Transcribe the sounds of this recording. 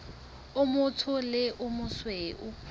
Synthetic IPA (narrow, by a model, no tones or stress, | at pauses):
ʊmʊtʰʊlɪʔʊmʊsweʔʊ